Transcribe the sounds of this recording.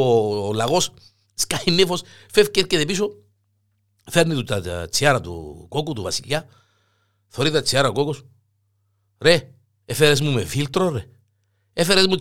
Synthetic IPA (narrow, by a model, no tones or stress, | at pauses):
olɐɣo̞s | skainːeifo̞s | fefceeɾcet̪episo | feɾnit̪ut̪ɐt͡siɐɾɐt̪ṵkokut̪uvɐsiʎa | θoɾit̪ɐt͡siɐɾɐkokos | ɾe | efeɾezmumefilt̪ɾoɾe | efeɾezmu